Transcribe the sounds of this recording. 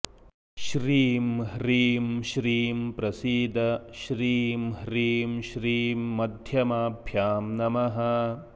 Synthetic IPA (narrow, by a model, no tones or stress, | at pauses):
ʃɾiːmɦɾiːmʃɾiːmpɾɐsiːd̪ʱɐʃɾiːmɦɾiːmʃɾiːmːɐd̪ʱjɐmaːbʱjaːmnɐmɐɦɐ̆